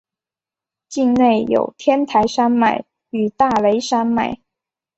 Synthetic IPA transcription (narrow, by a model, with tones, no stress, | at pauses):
t͡ɕi˥˧ŋne˥˩ɪjo̰˨˩ʊt̪ʰjɛ˥nt̪ʰa˧˥ɪʂa˥nma˨˩˦ɪ | y˨˩t̪a˥˩le˧˥ɪʂa˥nma̰˨˩˦ɪ